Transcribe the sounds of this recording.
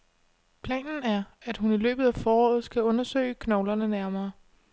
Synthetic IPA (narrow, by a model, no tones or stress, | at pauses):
pʰlɛ̰ːnn̩æɐæd̥ɦunilø̰ːb̥ð̞̩ˠæfɒːɒ̰ːð̞̩ˠsɡ̥æɔ̽nɐsø̰ɪəkʰnɒʊlɐnənæɐmɐː